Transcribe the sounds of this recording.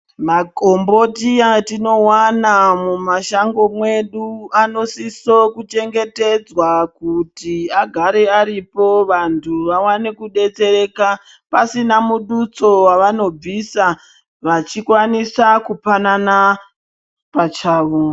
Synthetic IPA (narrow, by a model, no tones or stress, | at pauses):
maɡʱo̞mbo̞tiatino̞wanamumaʃaŋɡo̞mwe̞ɗuano̞siso̞kut͡ʃe̞ŋɡe̞te̞d͡zwakutiaɡʱaɾeaɾipo̞ʋantʰuʋawanekuɗe̞t͡se̞ɾe̞ːka | pasinamuɗut͡so̞waʋano̞b͡visa | ʋat͡ʃikwanisakupanana | pat͡ʃaːʋo